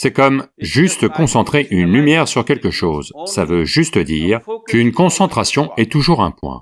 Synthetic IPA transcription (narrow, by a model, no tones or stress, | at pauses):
sɛkɔmʒyst̪kɔ̃sɑ̃t̪χeʔynlymjɛʁsyʁkʲɛlkəʃoːzsavøʒyst̪əd̪iːʁkynkɔ̃sɑ̃t̪χasjɔ̃ɛt̪uʒuʁɛ̰̃pwɛ̰̃